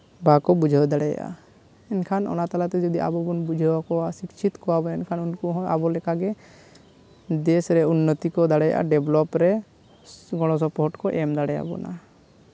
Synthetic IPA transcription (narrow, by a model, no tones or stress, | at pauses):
bakɔbud͡ʒʱəwd̪aɽɛja̰ʔa̰ | ɛnkʰanɔ̰nat̪alat̪ɛd͡ʒɔd̪iʔa̰bɔbunbud͡ʒʱəwakɔwasikt͡ʃʰit̪kɔwabɔɛnkʰanunkuɦɔ̃abɔlɛkaɡɛ | d̪ɛsɾɛunːɔt̪ikɔd̪aɽɛja̰ʔa̰ɖɛblɔpɾɛ | ɡɔɽ̃ɔs̬ɔpɔɦɔʈkɔʔɛmd̪aɽɛja̰bɔ̰na̰